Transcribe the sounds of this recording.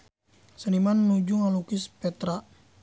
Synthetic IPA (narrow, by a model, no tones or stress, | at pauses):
sənimanːud͡ʒuŋalukɪspɛt̪ɾa